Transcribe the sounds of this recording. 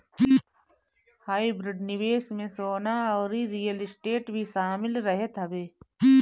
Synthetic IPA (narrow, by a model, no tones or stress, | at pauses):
haːibɾɪɖnɪʋeːsmẽsoːnaɔːɾiɾijəlɪsʈeːʈbʱiʃaːmɪlɾɐɦet̪ɦɐbeː